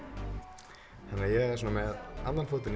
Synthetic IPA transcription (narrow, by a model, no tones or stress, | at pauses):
hanːajɛɣɛɾsɔnːamɛða̰nlanfuːt̪ɪn